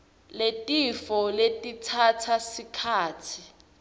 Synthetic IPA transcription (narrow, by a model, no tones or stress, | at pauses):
letʼifɔletʼitʰatʰasikʰaːtʰi